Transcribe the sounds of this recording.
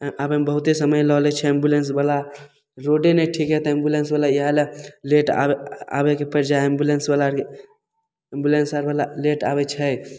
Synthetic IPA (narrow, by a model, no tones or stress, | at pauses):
abembəɦut̪esəməjlɔlɛt͡ʃʰɛĩmbulensbəla | ɾoɖenəjʈʰikɦɛt̪ɔĩmbulensbəlaiɦaleleʈa̰ea̰bekepəɾd͡ʒaimbulensbəlae | ĩmbjulensəɾbəlaleʈabɛt͡ʃʰəj